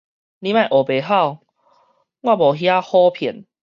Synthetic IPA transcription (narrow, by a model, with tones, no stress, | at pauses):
li˧˦mã˥˧˨jʔo˨˩be˨˦ɦa˥˨w | ɡwã˥˧˨bɔ˨˩ɦja˦hɔ˦pʰi˨˦n